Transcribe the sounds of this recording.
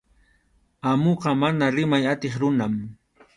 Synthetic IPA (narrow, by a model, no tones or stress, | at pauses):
amoqɑmanaɾɪmajat̪eχɾʊnam